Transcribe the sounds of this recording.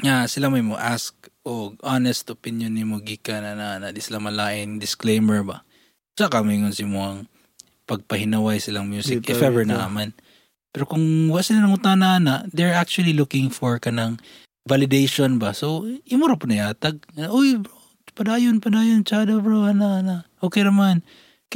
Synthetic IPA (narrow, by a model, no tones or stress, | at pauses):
ŋasɪlamɐɪmoʔaskʔoɡ̚anɛst̪opɪnjonːɪmoɡikananɐʔanaʔd̪isɪlamɐlaːʔɪnd̪ɪsklejmɛɹba̰ | sakamɐŋʊnsɪmoɐŋ | pɐɡ̚pɐhɪnɐwajsɪlaŋmjuːsɪkʔɪfɛvɛɹnɐʔaman | pɛɾokʊŋwaɡsɪlanɐŋʊt̪anɐʔanaʔd̪ɛɹak̚t͡ʃuɐlilʊkɪŋfoɹkɐnɐŋ | valɪd̪ejʃonbasoʔɪmoɾapʊnɐjaːt̪aɡ̚ʔojbɹo | pɐd̪aːjonpɐd̪aːjont͡ʃad̪abɹowanaʔanaʔʔoːkɛjnɐman